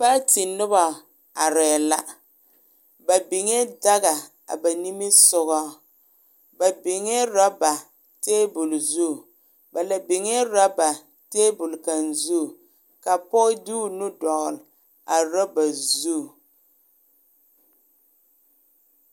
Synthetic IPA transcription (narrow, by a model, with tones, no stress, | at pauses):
pa˦tɪ˨nʊ˦ba˨ | a˨ɾɛ˨la˦ | ba˨bɪ˨ŋɛ˦da˦ɣa˨ | a̰˨ba˨ni˦mi˦sʊ˦ɣɔ˦ | ba˨bɪ˨ŋɛ˦ɾa˦ba˨ | teː˦bʊ˨lzu˦˨ | ba˨la˨bɪ˨ŋɛ˦ɾa˦ba˨ | teː˦bʊ˨lka˨nzu˦˨ | ka˨pɔ˦du˦˨nu˦dɔ˨ʔʊ˨l | a˨ɾa˦ba˨zu˦˨